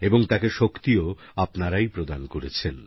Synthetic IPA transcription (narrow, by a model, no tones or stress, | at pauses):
eboŋt̪akeʃokt̪io | apnaɾajpɾod̪ankoɾet͡ɕʰen